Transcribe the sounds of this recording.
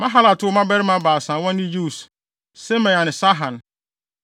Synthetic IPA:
mã˦ɦa˦la˨tʰʊ˦ɔ˦mã˦bɛ˦ɾɪ˦mã˨˦baː˨sã˨˦wɔ̃˦n˦nɪ̃˦ju˦˨s | sɛ˦mɛ̃˨a˨nɪ̃˨sa˦ɦã˨n

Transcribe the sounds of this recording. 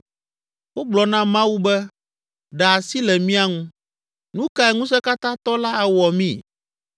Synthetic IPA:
wo˦ɡ͡blɔ˨nã˦mã˦wu˦bɛ˦ | ɖa˨a˨si˦lɛ˨mĩ˦a˦ŋũ˦ | nũ˦ka˦ɛ˨ŋũ˦s̬ɛ˦ka˦t̪ã˦t̪ɔ˦la˦a˨wɔ˨mĩ˦˨

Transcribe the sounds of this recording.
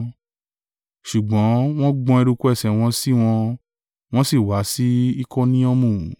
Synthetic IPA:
ʃu˨ɡ͡bɔ̃˨˦w̃ɔ̃˦ɡ͡bɔ̃˧ɛ˧ɾu˧ku˦ɛ˦˨sɛ˨w̃ɔ̃˧si˦w̃ɔ̃˧ | w̃ɔ̃˦si˦˨wa˨˦si˦i˦kɔ˦nĩ˦ɔ̃˦mũ˦˨

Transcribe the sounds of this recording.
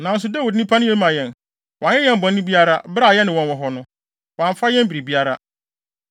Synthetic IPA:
nã˨n̩˦s̬ʊ˦da˦wu˨dnĩ˦pʰa˦nɪ̃˦je˦lmã˨jɛ̃˨n | wʔɲɛ̃˦jɛ̃˦m̩˨bɔ̃˨nː˦ʊ̃˦bi˦a˦ɾa˦bɾa˦˨jɛ˦nɪ̃˨wɔ̃˨n˨wɔ˨ɦɔ˦nʊ̃˦ | wã˨ɱ˨fa˦jɛ̃˦m˦bi˨ɾi˨bi˦a˦ɾa˦

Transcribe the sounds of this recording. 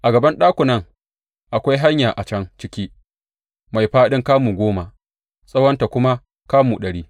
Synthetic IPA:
ʔa˨ɡɐ˨bɐ˦nɗaː˦kʷʊ˨nɐ˦ŋ | ʔa˨kʷa˦jɦa˦ɲjaː˨ʔa˨t͡ʃɐ˦ŋt͡ʃɪ˦kʲiː˦ | ma˨jɸaː˦ɗɪ˦ŋkaː˦muː˨ɡʷoː˦ma˨ | sʼɐ˦wɐ˦nta˨kʷʊ˦ma˦ | kaː˦muː˨ɗɐ˨ɽiː˦

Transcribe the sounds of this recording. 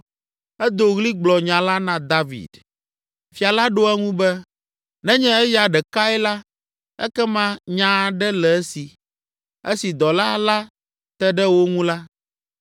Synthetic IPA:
ɛ˦d̪o˨ɣli˦ɡ͡blɔ˨ɲã˨la˦nã˨d̪a˦vḭ˨d̪ | fi˨a˨la˦ɖo˦ɛ˦ŋũ˦bɛ˦ | nɛ̃˦ɲɛ̃˦ɛ˦ja˨ɖɛ˨ka˦ɛ˦la˦ | ɛ̰˦kɛ˦mã˦ɲã˨ɖɛ˦lɛ˨ɛ˦si˨ | e˦si˨d̪ɔ˨la˦la˦ | t̪ɛ˦ɖɛ˦wo˦ŋũ˦la˦

